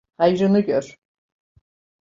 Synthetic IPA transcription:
hajɾɯnɯɟøɾ̥

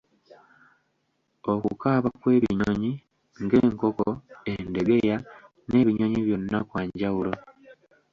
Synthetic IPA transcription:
o̞kṵkaːβakwe̞ːβḭɲoɲi | ŋɡe̞ːŋko̞koende̞ɡeja | ne̞ːβiɲoɲiβjo̞nːakwaːɲɟawulo

